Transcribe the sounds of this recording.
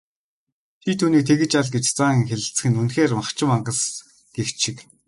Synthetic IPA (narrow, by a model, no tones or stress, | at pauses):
t̪ʰit̪ʰuːniːk̚t̪ʰeɣɘ̆t͡ɕaɮɡet͡ɕt͡saːŋ̆ŋxeɮɘ̆ɬt͡sɘ̥̆xɘ̆nunxeːrmaχt͡ɕɪ̆maɴɢə̆s | ɡ̥ewt͡ɕʰːɪ̆k